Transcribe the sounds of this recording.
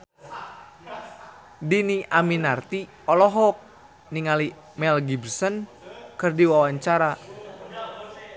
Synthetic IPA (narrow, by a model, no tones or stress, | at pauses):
diniʔaminart̪i | ɔlɔɦɔk̚ | niŋali | mɛlɡibrsən | kɨrdiwawaɲt͡ʃaɾa